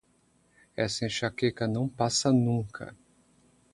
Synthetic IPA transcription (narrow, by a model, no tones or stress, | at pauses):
ɛsẽʃakekɐnɐ̃w̃pasɐnũkʰɐ̰